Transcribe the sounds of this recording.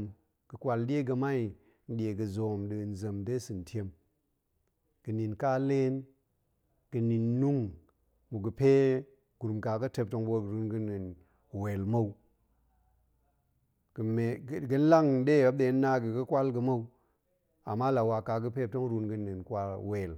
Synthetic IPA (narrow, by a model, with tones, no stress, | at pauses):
m | ɡ̥ə˨kʷa˨ldʲe˦ɡə˧ma˦i˨ | n̩˦ɗi˨e˨ɡə˨zo˨mɗɨ˨n̩˨zə˨mde˦sɨ˨n˨tʲe˦m | ɡ̥ɨ˨ni˨nka˦le˦n | ɡ̥ɨ˨ni˨nːu˦ŋ | mu˨ɡə˨pe˦ | ɡ̥u˨ɾu˨mka˨ɡə˦te˧p̚to˧ŋbo˦˨ɾu˨˦nɡə˦ni˨n | we˨lma˦u˦ | ɡ̥ə˨me˨ɡə˦n̩˦la˦ŋ˦ɗe˦˨a˦b̚ɗe˨˦n˦nːa˦ɡə˨ɡɨ˦kʷwa˦lɡə˨ma˦u˦ | a̰˨mːa˦la˨wa˨ka˨ɡə˦pe˦p̚to˦ŋɾu˧nɡə˦ni˨nkwa˨we˨l